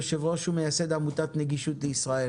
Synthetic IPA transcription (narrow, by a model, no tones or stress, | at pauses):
ʃevʁoʃumejased̪amut̪at̪neɡiʃut̪leisʁae